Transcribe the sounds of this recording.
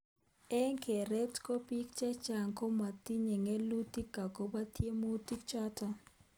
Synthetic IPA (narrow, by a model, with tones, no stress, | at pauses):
ɛ˦ŋkʰe˨ɾɛ˦tko˦pi˦kt͡ʃɛ˦t͡ʃa˨ŋko˦ma˨ti˦ɲe˨ŋɛ˦lu˦ti˦kːa˨ko˨ba˦tʰje˦mo˦ti˦kt͡ʃa˦ta˦